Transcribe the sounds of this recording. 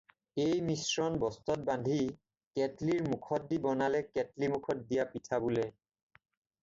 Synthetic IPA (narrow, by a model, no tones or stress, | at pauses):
ejmisɹɔnbɔstɔt̚bandʱi | kɛtliɹmukʰɔt̚dibɔnalɛkɛtlimukʰɔt̚dijapitʰabulɛ